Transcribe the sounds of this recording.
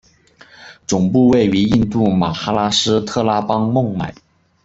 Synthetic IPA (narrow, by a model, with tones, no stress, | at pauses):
t͡sʊ˨˩ŋpu˥˧we˥˩ɪy˧˥i˥˧nt̪u˥˩ma˨˩xa˥la˥ʂɻ̩˥t̪ʰɤ˥˩la˥pɑ˥ŋmʊ˥˩ŋma˨˩˦ɪ